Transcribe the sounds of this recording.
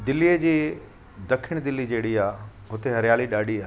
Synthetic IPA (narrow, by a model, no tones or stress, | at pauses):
d̪ɪlːijəd͡ʑiː | d̪ɐkʰɪɽ̃d̪ɪlːid͡ʑeːɽiaːɦʊt̪eɦɐɾjaːliɗaːɽiaː